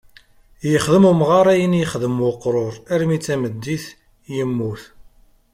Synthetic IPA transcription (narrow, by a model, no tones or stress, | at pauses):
jəχðəmumʁɑɾˤæjənjəχðəmwʊqːɾˤoɾˤæɾmit͡sːæməd̪ːiθ | jəmːuθ